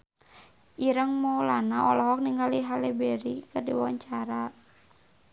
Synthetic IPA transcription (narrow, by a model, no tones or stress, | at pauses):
ʔiɾəŋmɔlanaʔɔlɔɦɔk̚niŋɡaliɦalɛbɛɾikɨrdiwawa̰ɲt͡ʃaɾa